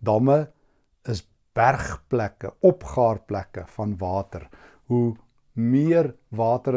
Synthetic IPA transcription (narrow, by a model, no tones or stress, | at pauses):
dɐmə | əs | b̥ærχplækə̰ɔpχɑːrplækəfɐnvɑːtər | ɦu | miərvɑːtəɾ